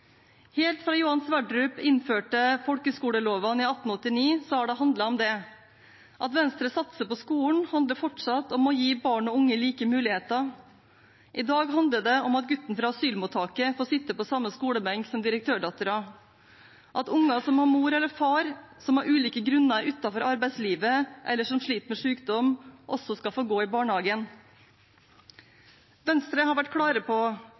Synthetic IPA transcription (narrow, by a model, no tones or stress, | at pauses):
heːlt̪fɾɑːjʊɑnsʋæɖɾʉːpɪnːføːʈəfɔlkəskuːɽəloːʋɑniːɑt̪n̩ɔt̪ːɪniːsɔhɑɖɛhɑnd̪lɑɔmd̪ɛ | ʔɑt̪ʋɛnst̪ɾəsɑt̪səpɔskuːn̩hɑnd̪ləɾfɔʈʂɑt̪ɔmɔjiːbɑːɳɔʊŋːəliːkəmʉːlɪheːt̪ɑ | ʔɪd̪ɑːɡɦɑnd̪ləɖɛɔmɑt̪̚ɡʉt̪ːnfɾɑɑsyːlmuːt̪ʰːɑːkəfoːsɪt̪ːəpɔsɑmːəskuːɽəbɛŋksɔmd̪ɪɾək̚t̪ʰøːɖɔt̪əɾɑ | ʔɑt̪ʊŋːɑsɔmhɑɾmuːɾɛləɾfɑːɾsɔmhɑɾʔʉːliːkəɡɾʉnːɑɾʉːt̪ːɑfɔɾɑɾbæɪsliːʋəʔɛ̰lːəʂɔmʂɭiːt̪mɛʂʉːkd̪ɔmʔɔ̰sɔskɑfoːɾɡoːɪbɑːɳhɑːɡən | ʋɛnst̪ɾəhɑɾʋæʈːkʰɽɑːɾəpʰɔ